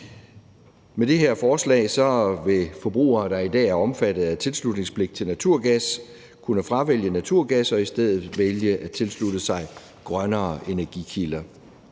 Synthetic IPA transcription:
med̥e̝ɦeɐ̰fɒːslɛ̰ːɪsɒ̽ʋe̝fɒ̽b̥ʁṵːɐːd̥ɑ̈id̥ɛ̰ːæɐɒ̽mfæd̥ð̩ˠæt͡sʰe̝lslud̥ne̝ŋspʰle̝ɡ̥̚t͡sʰe̝lnæt͡sʰuɐ̰ɡ̥æs | kʰunəfʁɑ̈ʋel̰jənæt͡sʰuɐ̰ɡ̥æsɒ̽isd̥eð̞̰ˠð̩ˠʋeljəʔæt͡sʰe̝lsludəsɑ̈ɪ | ɡ̥ʁɶnɐːe̝næɐɡ̥ikʰilɐ

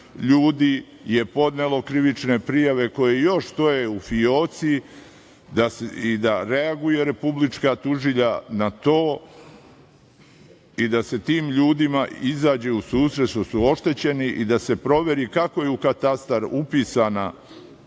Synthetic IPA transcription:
ʎuːd̪i | je̞po̞d̪ne̞lo̞kɾiʋit͡ʃne̞pɾijaʋe̞ko̞jejo̞ʃt̪o̞jeufio̞ːt̪si | d̪asid̪aɾe̞aɡuje̞ɾe̞publit͡ʃkat̪uʒiʎanat̪o̞ː | id̪ase̞t̪iːmʎuːd̪imaizaːd͡ʑeusuːsɾet̪sʃosuo̞ʃt̪e̞t͡ɕe̞niʔid̪ase̞pɾo̞ʋe̞ɾikako̞jeukat̪ast̪aɾupiːsana

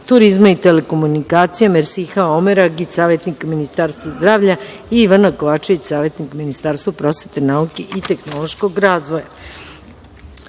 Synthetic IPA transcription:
t̪uɾizmait̪ele̞ko̞munikaːt̪sijameɾsixaomeɾaɡit͡ɕsaːʋjet̪nikminist̪aːɾst̪ʋazd̪ɾaːʋʎa | iiʋanakoʋaːt͡ʃeʋit͡ɕsaːʋje̞t̪nikminist̪aːɾst̪vapɾo̞sʋet̪enaukeʔit̪e̞xnolo̞ʃko̞ɡɾaːzʋo̞ja

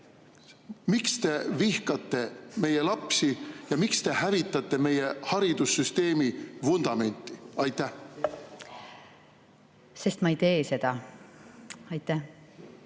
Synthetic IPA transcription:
mikst̪e̞vihkɑt̪ːˑe̞me̞jelɑpsijɑmikst̪e̞hævit̪ːˑɑt̪ːˑe̞me̞jehɑɾid̪̥usːyst̪e̞ːmifund̪̥ɑme̞nʲt̪ːˑiɑjt̪ːˑæh | se̞st̪mɑejt̪e̞ːse̞d̪̥ɑ | ɑjt̪ːˑæh

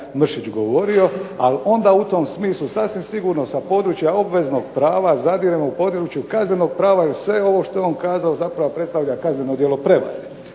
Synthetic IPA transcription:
mr̩ʃit͡ɕɡoʋo̞ɾio̞a̰lo̞nd̪aut̪o̞msmiːslˠusasʋimsiɡuɾno̞sapo̞d̪ɾuːt͡ʃjao̞bʋe̞zno̞ɡpɾaːʋazad̪iɾemoupo̞d̪ɾut͡ʃjukazne̞no̞ɡ̚pɾaːʋaelsʋe̞eo̞ʋo̞ʃt̪o̞jeo̞nkaːzaozapɾaʋo̞pɾe̞t̪st̪aʋʎakaznenod̪jelo̞pɾe̞ʋa̰ɾe

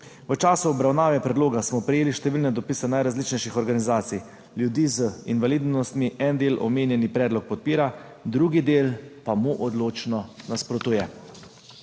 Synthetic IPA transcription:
ʋət͡ʃaːsuɔbɾawnaːʋɛpɾɛd̪loːɡasmɔpɾɛjeːliʃt̪ɛʋiːlnɛd̪ɔpisɛnajɾazlit͡ʃnɛjʃixɔɾɡanizaːt̪sij | ljud̪iːzəinʋalid̪nɔst̪miʔɛnd̪eːlʔɔ̰meːnjɛnipɾɛːd̪lɔk̚pɔt̪̚piːɾa | d̪ɾuːɡid̪eːlpamuʔɔd̪loːt͡ʃnɔnaspɾɔt̪uːjɛ

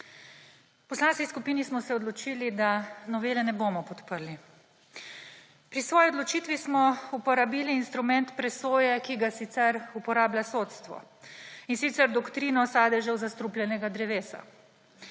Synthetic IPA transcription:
pɔslanskiskupiːnismɔsɛɔd̪lɔt͡ʃiːlid̪anɔʋeːlɛnɛbomɔpɔt̪pəɾli | pɾisʋɔːjiod̪lɔt͡ʃiːt̪ʋismɔupɔɾabiːliːnst̪ɾumɛnt̪pɾɛsoːjɛkiɡasit̪sɛɾupɔɾaːbljasoːt̪st̪ʋɔ̰insit̪sɛɾd̪ɔkt̪ɾiːnɔsaːd̪ɛʒɛwzast̪ɾuplʲjɛnɛɡad̪ɾɛʋeːsa̰

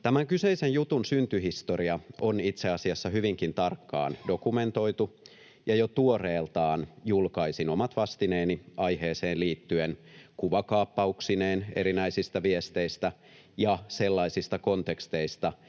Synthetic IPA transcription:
t̪æmæŋkyse̞isenjut̪unsynt̪yɦist̪oɾiɑonit̪seɑsiɑsːɑhyʋiŋkint̪ɑrkːɑ̰ːndo̞kume̞nt̪o̞it̪u | jɑjot̪uoreːlt̪ɑːnjulkɑisinomɑt̪ʋɑst̪ineːniʔɑjheːseːnliːt̪ːyenkuʋɑkɑːpːɑuksineːne̞̰ɾinæisist̪æʋiest̪eist̪æ | jɑse̞lːɑisist̪ɑko̞nt̪ekst̪eist̪ɑ

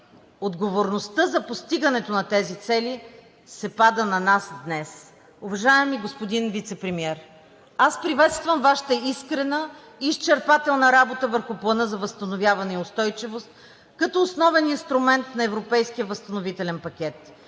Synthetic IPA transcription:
od̪ɡovoɾnost̪ɤzɐpost̪iɡɐnɛt̪onɐt̪ɛzit̪sɛli | sɛpad̪ənɐnasd̪nɛs | ʊvɐʒaɛmiɡospod̪invit̪sɛpɾɛmiɛɾ | aspɾivɛt̪st̪vəmvaʃi̥t̪əiskɾɛnə | iːst͡ʃɛɾpat̪ɛlˠnəɾabot̪əvəɾxʊplˠɐnɤzɐvəst̪ɐnovʲjavɐnɛiost̪ɔjt͡ʃivost̪̚ | kɐt̪ɔːsnɔvɛninst̪ɾʊmɛnt̪nɐɛvɾopɛjsk̟ijəvəst̪ɐnovit̪ɛlɛnpɐkʲɛt̪

